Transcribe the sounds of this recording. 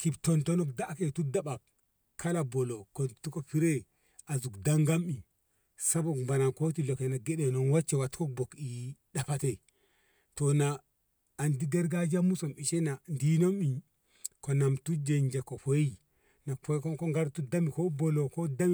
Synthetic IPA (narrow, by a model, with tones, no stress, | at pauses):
ki˨bto˨nto˦no˦kda˦ke˨tu˦da˦ɓa˨k | kʰːa˦la˨bo˨lo˨ko˨tu˦ko˨pi˦ɾe˦ | a˨zu˨kda˦ŋɡa˦mi˨ | sa˦bo˨kmba˨na˨nko˦ti˦˨lo˨ke˨na˨ɡe˦ɗe˨no˨nwa˦t͡ʃːe˨wa˨tko˦k̚bo˨ki˨ɗa˨pa˦te˦˨ | to˨naː˨ | ndi˦ɡa˦ɾɡa˦d͡ʒa˦mu˦so˨mi˨ʃe˦na˨ndi˦no˦mi˨ | ko˨na˨mtu˦d͡ʒe˨nd͡ʒe˨ko˨po˨i˦ | na˨po˦ko˦ko˦ŋɡa˦ɾtu˦da˦mi˨ko˦bo˨lo˨ko˦da˦m˦